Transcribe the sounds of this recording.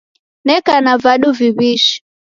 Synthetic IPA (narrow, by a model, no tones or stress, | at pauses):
nɛkanavaɗuviβiʃi̥